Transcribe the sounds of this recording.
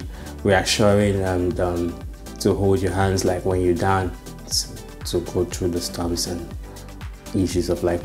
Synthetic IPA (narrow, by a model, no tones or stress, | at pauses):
ɹiəkʃɔɹɪ̃ŋə̃nʌ̃m | tʰəɦoʊlˠdjəɦæ̃ndzlaɪkwɛ̃njədãʊ̃n | s | tʰəɡʰod̚θɹuðəstʰʌ̃mzə̃n | iʃʉzʌvlaɪk